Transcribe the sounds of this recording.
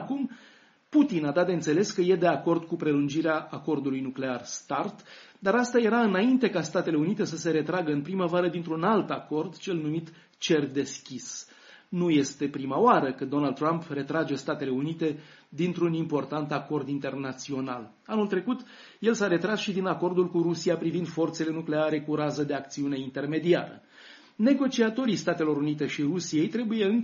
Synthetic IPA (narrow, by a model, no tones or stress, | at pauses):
akum | put̪inad̪at̪d̪eɨnse̞le̞skəje̞d̪e̞ako̞rd̪kupɾe̞lund͡ʒiɾeaːko̞rd̪ulujnukle̞arst̪art̪ | d̪aɾast̪ajeɾaɨnaint̪e̞kast̪at̪e̞le̞unit̪e̞səse̞ɾe̞t̪ɾaɡəɨnpɾiməvaɾəd̪int̪ɾunalt̪ako̞rd̪t͡ʃe̞lnumit̪ | t͡ʃe̞rd̪e̞skʲis | nuje̞st̪e̞pɾimaoaɾəkəd̪o̞nald̪̚t̪ɾampre̞t̪ɾad͡ʒe̞st̪at̪e̞le̞unit̪e̞d̪int̪ɾunimpo̞rt̪ant̪ako̞rd̪int̪e̞rnat̪sio̞na̰l | anult̪ɾe̞kut̪ | je̞lsaɾe̞t̪ɾasʃid̪inako̞rd̪ulkuɾusiapɾivind̪fo̞rt̪sele̞nukle̞aɾe̞kuɾazəd̪e̞ak̚t̪siune̞int̪e̞rme̞d̪ia̰ɾə̰ | ne̞ɡo̞t͡ʃiat̪o̞ɾijst̪at̪elo̞ɾunit̪e̞ʃirusije̞jt̪ɾe̞buje̞ɨŋ